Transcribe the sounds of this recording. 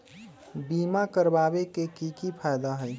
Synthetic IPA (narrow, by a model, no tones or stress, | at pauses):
bimakəɾbabekekikipʰajd̪aɦəj